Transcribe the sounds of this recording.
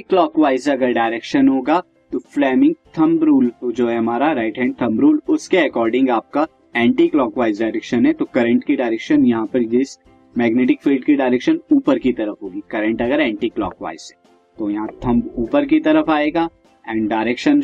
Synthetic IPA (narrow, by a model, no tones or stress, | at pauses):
klɔːkʋaːɪzɐɡəɾɖaːɪɾeːkʃənɦoːɡaː | t̪oflɛːmɪ̃ŋɡ̚t̪ʰɐ̃mbɾuːld͡ʒoːɦɛɦɐmaːɾaɾaːɪʈɦɛ̃ːɳɖ̚t̪ʰɐ̃mbɾuːlʊskeɐkɔːɾɖɪ̃ŋɡaːp̚ka | ɛ̃ːɳʈiklɔːkʋaːɪzɖaːɪɾɛkʃənɦɛt̪okɐɾə̃ɳʈkiɖaːɪɾɛːkʃənjɐɦãpɐɾd͡ʒɪs | mɛːɡneːʈɪk̚fʰiːlɖkiɖaːɪɾɛːkʃənuːpəɾkit̪ɐɾəfɦoːɡikɐɾə̃ɳʈɐɡəɾɛ̃ːɳʈiklɔ̰ːkʋa̰ːɪzɦɛː | t̪ojɐɦãt̪ʰɐ̃mbuːpəɾk̬it̪ɐɾəfaːeːɡaː | ɛ̃ːɳɖaːɪɾeːkʃən